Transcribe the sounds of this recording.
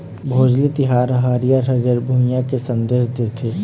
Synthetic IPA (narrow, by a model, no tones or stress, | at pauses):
bʱoːd͡ʒlit̪ɪɦaːɾɦaɾijəɾɦəɾjəɾbʱuːmijakesɐ̃nd̪eːʃd̪et̪ʰeː